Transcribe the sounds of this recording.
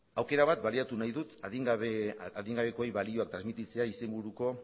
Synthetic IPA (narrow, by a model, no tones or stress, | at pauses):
awke̞ɾaβat̪̚baliat̪unajðut̪aðiβaðiŋɡaβ̞e̞ko̞ejβalio̞ak̚t̪ɾazmit̪it͡se̞aise̞mbuɾuko̞